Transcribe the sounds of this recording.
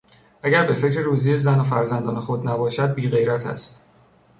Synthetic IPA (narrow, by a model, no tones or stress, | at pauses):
ʔæɟæɾbe̞fe̞cʰɾeɾuːzijezænofæɾzænd̪ɒ̰ːnexo̞d̪næbɒːʃæd̪̚biːɣe̞jɾæt̪ʰæ̰st̪